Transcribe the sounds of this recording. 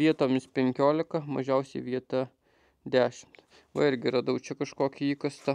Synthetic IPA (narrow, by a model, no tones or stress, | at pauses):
ʋʲiɛt̪oːmʲɪspʲɛŋʲkʲoːlʲɪkɐmɐ̰ʒʲɛʊsʲɛɪʋʲiɛt̪ɐ | d̪ʲæːʃʲɪmt̪ | ʋɐ̰ɪɾʲɡʲɪɾɐd̪ɐʊt͡ʃʲɛkɐʃkoːkʲɪiːkɐst̪ɐ